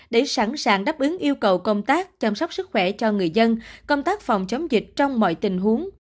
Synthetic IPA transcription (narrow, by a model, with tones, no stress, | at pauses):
ɗe˧˩sa˧˩nsaː˧˩ŋɗaː˦˥p̚ʔɨ˨˦ŋʔi˧əwkə˨˩wkə˧wŋ͡mt̪aː˦˥k̚t͡ɕa˧msɔ˦˥wk͡p̚sɨ˦˥k̚xwɛ˧˩t͡ɕɔ˧ŋɨ˨˩əjzə˧nkə˧wŋ͡mt̪aː˦˥k̚fɔ˨˩wŋ͡mt͡ɕə˨˦wŋ͡mzï˨˩k̟̚t͡ɕɔ˧wŋ͡mmɔ̰˧˨jt̪ï˨˩ŋ̟ɦu˨˦əŋ